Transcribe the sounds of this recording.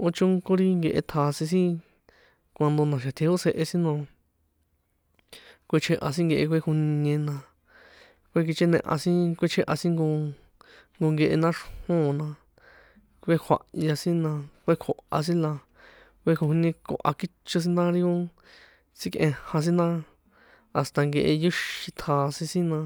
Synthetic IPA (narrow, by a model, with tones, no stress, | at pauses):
o˧t͡ʃũ˦ŋko˦ɾi˦ŋɡe˧ʔḛ˧t̪ʰa˨sĩ˧s̬ĩ˦ | kʷa˧nd̪o˧nã˨ʃ̬a˨t̪ʰe˧ho˦se˧ʔe˧si˦nõ˧ | kʷe˧t͡ʃʰe˧ʔa̰˧s̬ĩ˦ŋɡe˧ʔe˧kʷe˧˦˧ku˧ɲẽ˧nã˧ | kʷe˦˧k̬i˧t͡ʃe˦˧nḛ̃˧ʔã̰˧sĩ˦kʷe˦t͡ʃʰe˧ʔa˧sĩ˦ŋɡo˧ | ŋɡo˧ŋɡe˧ʔe˧nã˦ʂhõː˦˨nã˧ | kʷe˦kʰa̰˨ʔja˧sĩ˦nã˧kʷe˦kʰo˨ʔa̰˧s̬ĩ˦la˧ | kʷe˦ko˧hu˧nẽ˧ko̰˧ʔa̰˧ki˦t͡ʃo˧s̬i˦nã˦ɾi˦o˦ | t͡si˦kʔẽ˧hã˧s̬ĩ˦nã˦ | a˨st̪a˧ŋɡe˧ʔe˧ju˦ʃi˧t̪ʰaː˧˨sĩ˧sĩ˦nã˧